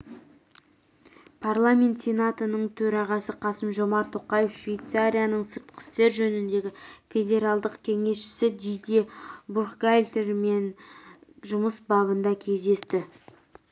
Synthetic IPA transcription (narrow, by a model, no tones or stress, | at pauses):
pʰarlˠamʲe̞nt̪sʲe̞nat̪ənəɴt̪ʰɵɾɑʁɑsəqʰɑsəmʒo̞mɑɾt̪ʰoqɑje̞fʃvʲejt̪saɾʲijanəɴsəɾt̪qʰə̥st̪e̞ɾʒɵnɪnd̪e̞ɡʲɪfʲe̞d̪ʲe̞ɾalˠd̪əqkʲʰe̞ŋe̞sʃɪ̥sɪd̪ijd̪ibuɾχɡajlʲt̪eɾme̞n | ʒʊməsbɑbənd̪ɑkʲʰe̞zd̪e̞st̪ɪ